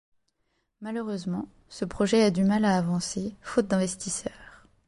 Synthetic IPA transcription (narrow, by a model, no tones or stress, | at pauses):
maløʁøzmɑ̃ | səpχɔʒɛad̪ymalaːvɑ̃sefot̪̚d̪ɛ̃vɛst̪isœːʁ